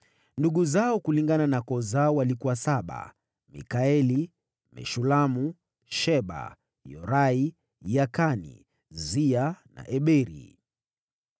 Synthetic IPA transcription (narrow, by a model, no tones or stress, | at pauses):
nduɠuzaɔkuliŋɡananakɔzaɔwalikuwasaɓa̰ | mḭkaɛli | mɛ̰ʃulamu | ʃɛɓa̰ | jɔɾai | jakanḭ | ziana̰ʔɛɓɛɾḭ